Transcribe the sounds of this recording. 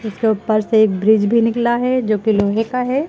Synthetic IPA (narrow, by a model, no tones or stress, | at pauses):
ʊskeʊpəɾseːk̚bɾid͡ʒbʱinɪklaɦɛd͡ʒoːkiloːɦekaɦɛː